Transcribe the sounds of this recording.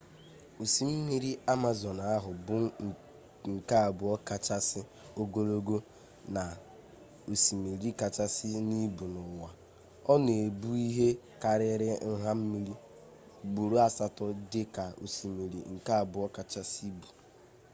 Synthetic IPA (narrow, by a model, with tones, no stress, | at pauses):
o˨si˨m̩˦mi˦ɾi˦a˦ma˦zɔ˨n˨a˦ɦʊ˨bʊ˦˨ | ŋ̩˨ka˦a˨bʊ˨ɔ˦ka˨t͡ʃa˦sɪ˦ | o˦ɡo˦ɾo˦ɡo˦ | na˨ | o˨si˨mi˨ɾi˦ka˨t͡ʃa˦sɪ˦ni˦bu˨nʊ˨wa˨ | ɔ˦ne˨bu˦i˦ɦe˦ | ka˨ɾɪ˦ɾɪ˦n̩˦ɦa˦m̩˦mi˦ɾi˦ | ɡ͡bu˨ɾu˦a˦sa˦tɔ˦dɪ˦ka˨o̰˨si˨mi˨ɾḭ˨ŋ̩˨ka˦˨bʊ˨ɔ˦ka˨t͡ʃa˦si˦bu̥˨